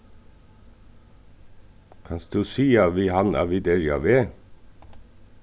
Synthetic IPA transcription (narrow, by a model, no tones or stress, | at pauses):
kʰɑnsd̪ʉːsiːɑʋiːhɑnɑ̰ːʋid̪eɾjɑ̰ʋeː